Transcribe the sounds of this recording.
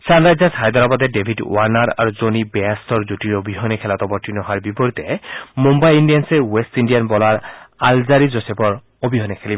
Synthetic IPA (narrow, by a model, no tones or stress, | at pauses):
sanɹajzasʰajd̪ɔɹabat̪ɛdebʱidwaɹnaɹa̰ɹuzonibɛast̪ʰɔɹzutiɹobʱiɦɔnɛkʰɛlat̪ɔbɔɹtʰinɔɦaɹbipɔɹit̪ɛmumbajindijansɛwestindijanbɔlaɹalzaɹizɔsɛpɔɹ | obʱiɦɔnɛkʰelibɔ